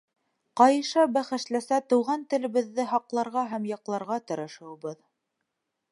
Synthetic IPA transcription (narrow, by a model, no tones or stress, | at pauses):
qɑjɤ̆ʃɑbæχɘ̆ʃlæsæt̪ɤ̆wʁɑnt̪ɘ̆lɘ̆βɘ̆ðːɘɦɑqlˠɑɾʁɑɦæmjɑqlˠɑɾʁɑt̪ɤ̆ɾɤ̆ʃɤ̆wɤ̆bɤð